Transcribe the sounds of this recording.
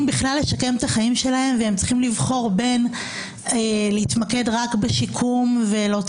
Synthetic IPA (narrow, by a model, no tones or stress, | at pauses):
mbiχlalːe̞ʃake̞mt̪aχaimʃe̞lahe̞mveemt͡si̥χimlivχo̞ʁbe̞n | elehit̪make̞dʁakbeʃikʰumve̞lo